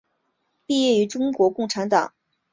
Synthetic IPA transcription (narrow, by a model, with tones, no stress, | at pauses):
pi˥˧jɛ˥˩y˧˥ʈ͡ʂʊ˥ŋkwɔ˧˥kʊ˥˩ŋʈ͡ʂʰa˧˥nt̪ɑ̰˨˩˦ŋ